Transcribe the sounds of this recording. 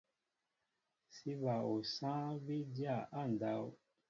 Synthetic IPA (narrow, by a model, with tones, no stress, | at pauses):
si˦βa˨o˨sã˦bi˦dja˦˨ʔa˦˨n˨da˨˦w